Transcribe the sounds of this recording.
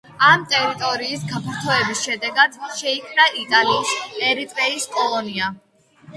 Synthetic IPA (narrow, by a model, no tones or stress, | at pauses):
amt̪ʼɛɾit̪ʼɔɾiːsɡapʰaɾt̪ʰɔɛbisʃɛd̪ɛɡad̪̥ʃɛikʰmnaʔit̪ʼalisɛɾip̪ʼɾɛiskʼɔlˠɔnia